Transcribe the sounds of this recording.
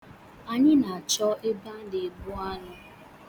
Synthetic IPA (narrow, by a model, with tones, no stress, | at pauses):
a˨ɲɪ˦na˨a˨t͡ʃɔ˦e˦ba˦n̩˦de˨bu˦a˦nʊ˦